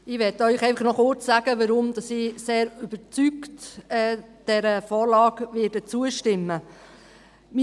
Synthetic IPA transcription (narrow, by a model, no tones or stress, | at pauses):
ɪʋɛtœʏχɛɪfɑχnɔχʊɾt͡ssæɡ̥əʋəɾʊmd̥̪ɑsiːseːɾyb̥ət͡syktɛːd̥ɛɾəfɔːɾlɑːɡʋɪdət͡suəʃtɪmːə | mi